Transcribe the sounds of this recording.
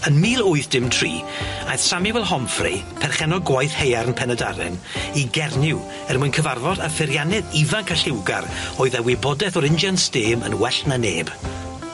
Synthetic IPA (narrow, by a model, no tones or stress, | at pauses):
ənmiːlˠʊɨθd̥ɪmtʰrḭːajθsamɪvɛlˠɦɔmfrḭ | pʰɛrχɛnɔɡwajθhejaɾnpʰɛnɛda̰ɾɛ̰n | iɡɛrnɪw | ɛrmʊjnkʰəvarvɔdafɪɾjanɛðivankʰaɬɪwɡa̰rɔːɨðawɪbɔdɛθɔɾɪnd͡ʒansteːmə̰nwɛɬnaneːb̥